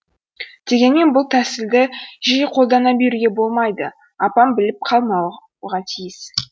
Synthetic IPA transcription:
d̪̥e̞ɡʲe̞nme̞nbʊlˠt̪ʰæsɪld̪ɪʒijqʰo̞lˠd̪ɑnɑbeɾuɡʲe̞bo̞lˠmɑjd̪ə | ɑpɑmbɪlɪp̚qʰɑlˠmɑ | ʁɑt̪ʰijɪs

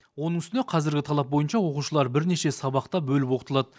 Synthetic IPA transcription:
wo̞nəɴŋʏst̪ɪneqʰɑzɪɾɡʲɪt̪ʰɑlˠɑp̚bo̞jənʃɑwo̞quʃəlˠɑɾbɪɾne̞ʃe̞sɑβɑqt̪ɑbɵlɪpwo̞qət̪əlˠɑd̪ə

